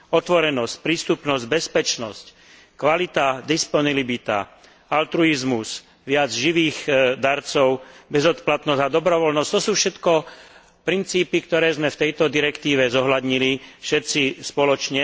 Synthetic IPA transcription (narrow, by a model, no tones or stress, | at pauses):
ɔt̪ʋɔɾɛnɔsc̚pɾiːst̪upnɔzɟbɛspɛt͡ʃnɔsc | kʋalit̪ad̪ispɔnilibit̪a̰ | alt̪ɾuizmus | ʋɪad͡zʒiʋiːɣd̪aɾt͡sɔʊbɛzɔt̪plat̪nɔzad̪ɔbɾɔʋɔlnɔst̪ɔsuːfʃɛt̪kɔ | pɾint͡siːpikt̪ɔɾɛːzmɛft̪ɛjt̪ɔd̪iɾɛkt̪iːʋɛzɔɦlad̪ɲilifʃɛt̪t͡sispɔlɔt͡ʃɲɛ